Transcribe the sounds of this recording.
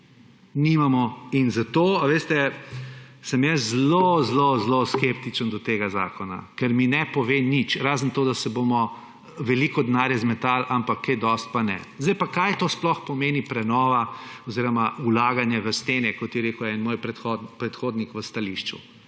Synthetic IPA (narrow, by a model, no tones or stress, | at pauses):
nimamɔinzat̪oːaʋeːst̪ɛ | səmjɛszlozlozloskept̪it͡ʃənd̪ɔt̪eːɡaza̰ːkɔna̰kɛɾminɛpɔʋenit͡ʃɾaːzənt̪oːd̪asɛbomɔ | ʋɛlikɔd̪naːɾjɛzmɛt̪alʔampakʰːɛd̪ɔst̪̚panɛ̰zd̪ɛjpakajt̪oːsplɔxpɔmeːnipɾɛnɔːʋaɔziːɾɔmaulaːɡanjɛʋəst̪eːnɛkɔt̪jɛɾeːkʊɛnmoːjpɾɛt̪xɔd̪pɾɛt̪xoːd̪nikʋəst̪aliʃt͡ʃṵ